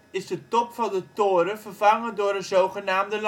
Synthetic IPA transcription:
ɪsdətɔpfɑndətoːɾəvərvɑŋədoəɾənzowχənaːmdəl

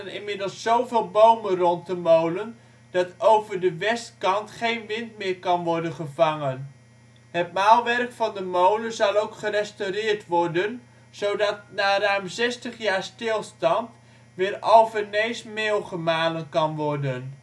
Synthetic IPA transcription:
nɪnmɪdəlˠsːowvɪːlˠbowmənrɔnt̚dəmowlən | d̥ɑtowvəɹdəʋɛstkɑntχejnʋɪntmɪːɹkɑnʋɔɹdənχəvɑŋən | ɦətmaːlˠʋɛrkfɑndəmowlənzɑlˠowkχərɛstowrɪːɹtʋɔɹdən | z̥owdɑt̚naːrœɥmzɛstəχjaːɹstɪlˠstɑnt | ʋɪːɾowvəɹnejsmeːlˠχəmaːlənkɑnʋɔɹdən

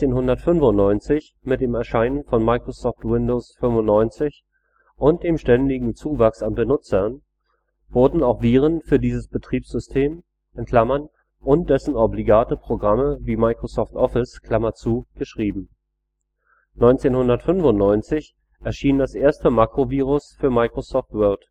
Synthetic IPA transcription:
eːnɦʊndɐtfʏnvʊnnɔʏnt͡sɪç | mɪt̚d̥eːmɛɐʃaɪnənfɔnmaɪkʁ̥osɔːftwɪndoːsfʏmvʊntːɔʏnt͡sɪç | ʔʊnt̚d̥eːmʃtɛndɪɡŋ̩t͡suːvaksanbənʊt͡sɐn | v̥ʊɐdn̩aʊxv̥iːʁ̞ənfyːɐdiːzəsb̥ətʁ̥iːpsz̥ʏstʰeːm | ʔɛnkʰl̥amɐn | ʔʊnt̚d̥ɛsn̩ɔbliɡaːtəpʁ̥oɡʁaməviːmaɪkʁ̥osɔːftʔɔfɪskʰl̥amɐt͡suːɡ̥əʃʁ̥iːbm̩ | nɔʏnt͡seːnhʊndɐtfʏnvʊntnɔʏnt͡sɪç | ʔɛɐʃiːndasʔeːɐstəmaːkʁ̥oviːʁʊsfyːɐmaɪkʁ̥osɔːftvœɐt

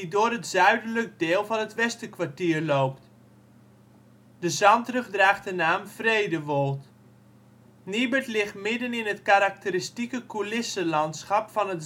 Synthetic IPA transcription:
idʊərətz̥œɥdələk̚dɪːlˠvɑnətʋɛstəkʋatiːərlowpt | dəzɑntrəχdraːχtdənaːmfrejdəʋolˠt | nibətlɪχtmɪdənɪnɦətkaɾak̚təɾistikəkulɪsəlɑntsχɑpfɑnət

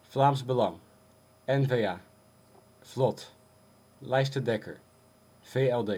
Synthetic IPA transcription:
flaːmzbəlɑŋ | ɛnveaː | vlɔt | lɛjs̬tədɛkə̰ɹ | v̥eɛlˠde

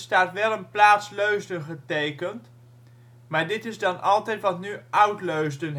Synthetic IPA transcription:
staːtʋɛlˠənplaːtsløɥsdənχətejkənt | maːɹdɪtɪzdɑnʔɑlˠtɛjtʋɑtnyʔœwtløɥsdən

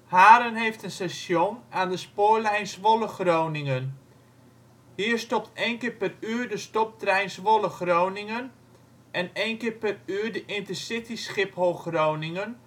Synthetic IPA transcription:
haːɾənɦejftənsɛsjonaːndəspoːlɛjnsʋoləxrownɪŋən | hiəɹstɔp̚tʰejnkɪːrpɛryːɹdəstɔp̚trɛjnsʋɔləxrownɪŋən | ʔɛnejnkɪːɹpɛryːɹdəʔɪntəsɪtisχɪphowxrownɪŋən

